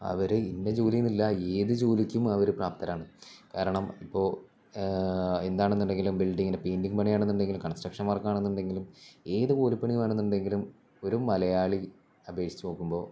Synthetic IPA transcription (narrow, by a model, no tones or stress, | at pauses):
ɐ̰ʋɐɾɨinːed͡ʑuːlijunːilːɐeːðɨd͡ʑuːlikʲːumɐʋɐɾupraːpt̪ɐɾaːɳɨkaːɾɐɳɐmipːo̞ː | end̪aːɳenːuɳɖe̞ŋɡilumbilɖiŋːinepeːnɖiŋɡpɐɳijaːɳenːuɳɖe̞ŋɡilumkɐɳsʈrɐkʂɐnʋɐrkːaːɳenːuɳɖe̞ŋɡilume̞ːðɨkoːlupːɐɳijumaːɳenːuɳɖe̞ŋɡilum | o̞ɾumɐlɐjaːɭi | ɐbʱe̞ːʂi̥t͡ɕːupoːkːumbo̞ː